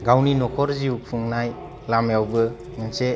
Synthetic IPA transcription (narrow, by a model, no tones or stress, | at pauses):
ɡawninɔkʰɔɾziuk̚pʰɯŋnaj | lamjawbɯ | mɯnse